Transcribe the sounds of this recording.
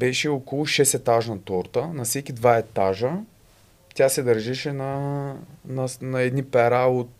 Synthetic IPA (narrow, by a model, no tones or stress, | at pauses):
bɛʃɛokolˠʊʃɛsɛt̪aʒnɐt̪ɔɾt̪ənɐfsɛkʲid̪vaɛt̪aʒə | t̪ʲjasɛd̪ɐɾʒɛʃɛnɐ | nɐnɐɛd̪nipɛɾaot̪̚